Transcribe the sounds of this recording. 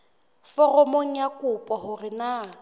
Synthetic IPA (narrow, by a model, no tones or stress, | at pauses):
fɔrɔmoŋ̩jakʼʊpʼɔhʊrɪna